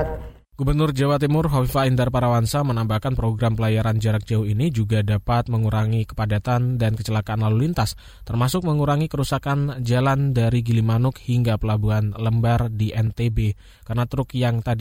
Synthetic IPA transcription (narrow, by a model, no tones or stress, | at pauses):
ɡ̥ubərnʊrd͡ʒawat̪imʊrɦoifaindarpaɾawansamənambahkanpɾoɡɾampəlajaɾand͡ʒaɾak̚d͡ʒauinid͡ʒuɡadapat̪̚məŋuɾaŋikə̥padat̪andankət͡ʃəlakaːnlalulint̪as | t̪ərmasʊk̚məŋuɾaŋikəɾusakand͡ʒalandaɾiɡilimanʊk̚hiŋɡapəlabuanləmbardiʔɛnt̪ebe | karənat̪ɾʊkjaŋt̪adi